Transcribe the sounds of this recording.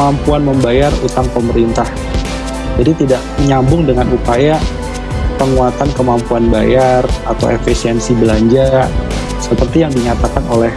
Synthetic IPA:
mampuanməmbajarut̪aŋpəməɾint̪ah | d͡ʒadit̪idaʔməɲambʊŋdəŋanupaja | pəŋuat̪ankəmampuanbajarat̪a̰wḛfisiɛnsibəlaɲd͡ʒa | səpərt̪ijaŋdiɲat̪akanolɛh

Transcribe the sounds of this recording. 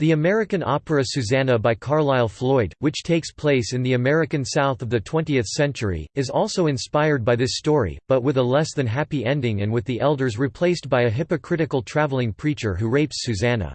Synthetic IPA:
ðiɨmɛɹɨkɨ̃nʔɑ̰pəɹɨsʉzænəbaɪkʰɑɹlaɪlˠflɔɪd̚wɨt͡ʃtʰeɪkspʰl̥eɪsɨ̃nðiɨmɛɹɨkɨ̃nsaʊθʌvðɨtʰw̥ɛ̃ntiɨθsɛ̃nt͡ʃə˞ḭɨzɔlˠsoʊɨ̃nspaɪə˞d̚baɪðɪstɔɹḭb̥ʌt̚wɨðəlɛsðɨ̃nɦæpiɛ̃ndɪ̃ŋɨ̃nwɨðiʔɛlˠdə˞zɹipʰl̥eɪstb̥aɪɨɦɪpɨkʰɹ̥ɪɾɨkl̩ˠtʰɹ̥ævl̩ˠɪ̃ŋpʰɹ̥it͡ʃə˞ɦuɹeɪpsʉzænə̰

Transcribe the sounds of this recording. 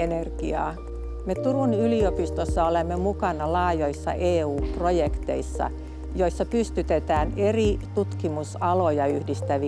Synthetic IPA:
enerɡ̥iɑ̰ː | met̪urunyliopist̪osːɑolemːemukɑnɑlɑːjoisːɑ̰ʔeːuːprojekt̪e̞̰isːɑ̰ | jo̞isːɑpyst̪yt̪et̪æːne̞rit̪ut̪kimusɑlojɑyhdist̪æʋi

